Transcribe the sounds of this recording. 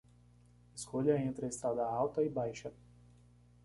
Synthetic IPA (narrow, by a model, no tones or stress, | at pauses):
ɪskʰoʎɐẽnt̪ɾɪɐɪst̪ɾad̪ɐawt̪ɐɪbajʃɐ